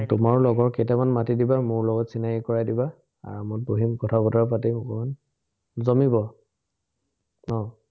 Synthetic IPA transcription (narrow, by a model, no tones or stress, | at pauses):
tʊmaɹlɔɡɔɹketɛmanmatidibamʊɹlɔɡɔtsinakikɔɹajdiba | a̰ɹmʊboɦimkɔtʰabɔtɔɹapatiɔkɔman | zɔmibɔ | nɔ